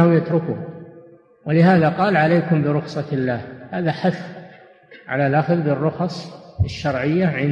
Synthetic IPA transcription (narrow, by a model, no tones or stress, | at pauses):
hʊmjat̪ɾʊku | wɪlɪɦaːðaqɑːlʕalejkʊmbɪɾʊxsˤɑɪlːaːhhaːðaħaθ | ʕa̰lalʔaxðbɪrːʊxɑsˤɪʃːɑɾˤʕɪjːaʕɪn